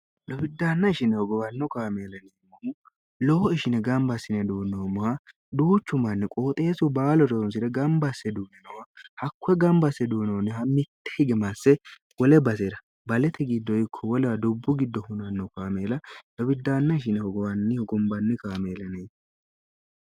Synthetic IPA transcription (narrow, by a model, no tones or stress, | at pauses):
lɔbɪd̪ːaːnːɐɪʃɪnɛhɔɡɔwɐnːɔkaːmeːlɐneːmːɔmʊ | lɔwɔɪʃɪnɛɡɐmbɐsːɪnɛd̪oːnːomʊhɐ | d̪uːt͡ʃːʊmɐnːɪkʼoːt̪ʼe̞ːsʊbaːlɔɾɔns̬ɪɾɛɡɐmbɐsːɛd̪uːnɛnɐwɐhɐkːʊɛɡɐmbɐsːɛd̪uːnɐwnːɛɦɐmɪt̪ːɛ̥hɪɡɛmasːɛ | wɔlɛbɐseɾɐ | bɐlɛt̪ʰɛɡɪd̪ːɔjɪkʰːɔwɔlɛwɐd̪ʊbːʊɡɪd̪ːɔhʊnɐnːɔkaːmeːlɐlɔbɪd̪ːaːnːɐɪʃ̬ɪnɛhɔɡɔwɐnːɪhɔɡɔmbɐnːɪkaːmeːlɐnɛ